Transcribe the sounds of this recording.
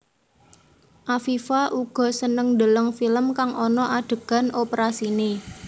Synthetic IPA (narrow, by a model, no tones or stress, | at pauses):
ʔafifaʔuɡ̥ɔ̤sənəŋd̪ələŋfiləmkaŋʔɔnɔʔaɖ̥ə̤ɡ̥a̤nopəɾasine